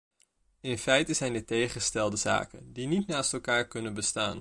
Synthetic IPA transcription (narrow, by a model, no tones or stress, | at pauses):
ɪnfɛjtəzɛjndətejχəstɛlˠdəza̰ːkəndinitnaːstɛlˠkaːɹkɵnənbəsta̰ːn